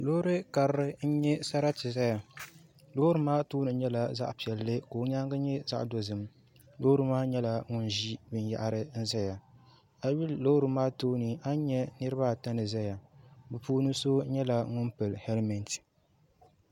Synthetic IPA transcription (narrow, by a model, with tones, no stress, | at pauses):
lo˦ɾɨ˦ka˨ɾɾɨ˦n̩˦ɲɛ˦sa˦ɾa˦tɨ˨za˦ja˨ | lo˦ɾɨ˨maː˦tuː˦nɨ˨ɲɛ˦la˨za̰˦ʔpi˨ɛ˨lːɨ˦koː˨˦ɲa˦ŋɡa˦ɲɛ˦za̰˦ʔdo˨zɨ˨m | lo˦hɾɨ˦maː˦ɲɛ˦la˨ŋʊ˦nʒi˦bɨ˨n˦ja̰˦˨ʔɾɨ˦n̩˦za˦ja˨ | a˨wi˦llo˦ɾɨ˨maː˦tuː˦nɨ˨a˦ɲɛ˦nɨ˦ɾɨ˦ba˦˨ta˦nɨ˨za˦ja˨bɨ˨puː˦nɨ˦so˦ɲɛ˦la˨ŋʊ˦npɨ˨lhɛ˦lmɛ˨nt